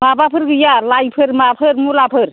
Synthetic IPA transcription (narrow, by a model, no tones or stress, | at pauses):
mabapʰɯɾɡɯjalajpʰɯɾmapʰɯɾmulapʰɯɾ